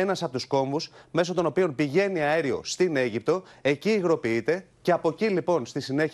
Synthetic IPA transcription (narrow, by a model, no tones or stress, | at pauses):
enɐsɐpo̞t̪usko̞ɱvusme̞sot̪o̞no̞pio̞npiʝe̞niɐeɾio̞̰st̪ine̞ʝip̚t̪o̞e̞ciːɣɾo̞piit̪e̞ | ce̞ɐpo̞cilipo̞nst̪isine̞ç